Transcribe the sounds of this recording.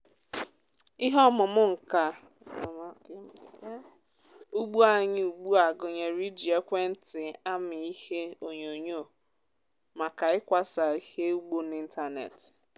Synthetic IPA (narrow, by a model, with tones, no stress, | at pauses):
i˦ɦɔ˦mʊ˨mʊ˦ŋ̩˨ka˨˦ | u˦ɡ͡bu˦a˨ɲɪ˦u˨ɡ͡bu˦a˨ɡo˨ɲe˨ɾi˦di˨e˦kʷe˦n̩˦tɪ˨a˦mɪ˨i˦he˦o˨ɲo˨ɲo˦˨ | ma˨ka˨ɪ˦kʷa˦sa˨i˦he˦u˦ɡ͡bo˦ni˦n̩˦ta˦nḛ˨t